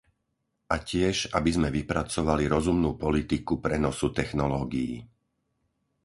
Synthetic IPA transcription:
ʔacɪɛʒabizmɛʋipɾat͡sɔʋaliɾɔzumnuːpɔlit̪ikupɾɛnɔsut̪ɛxnɔlɔːɡijḭ

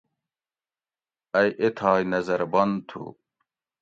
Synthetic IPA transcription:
ɐjʔet̪ʰaːjnɐzɐɾbɐnt̪ʰṵ

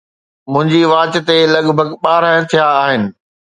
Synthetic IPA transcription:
mʊ̃ɦɪ̃ɲd͡ʑiʋaːt͡ɕɪt̪elɐɠbʱəɡɓaːɾaə̃t̪ʰijaːɦɪnɪ̆

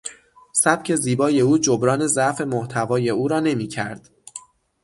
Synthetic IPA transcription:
sæb̥̚cʰe̞ziːbɒːje̞uːd͡ʒobɾɒːne̞zæʔfe̞moht̪ʰævɒːje̞uːɾɒːne̞miːcʰæ̰ɾd̪̥

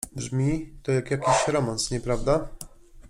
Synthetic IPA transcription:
bʐmʲit̪ɔjakjakʲiɕɾɔmansɲɛpɾavd̪a

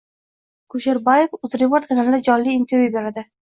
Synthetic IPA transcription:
kʊʃeɾbajefʊzɾepoɾt̪̚kʰanalɪd̪ad͡ʒɒlːiːnt̪ʰeɾjube̞ɾad̪ɪ

